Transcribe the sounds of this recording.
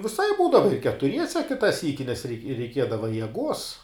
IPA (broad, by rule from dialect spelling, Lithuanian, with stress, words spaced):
ʋʲɪˈsɐɪp ˈbuːdɐʋɐ ɪ kʲɛtʊˈrʲiɛsʲɛ ˈkʲɪtɐ ˈsʲiːkʲɪ nʲɛs rʲɛɪ rʲɛɪˈkʲiɛdɐʋɐ jɛˈɡuɔs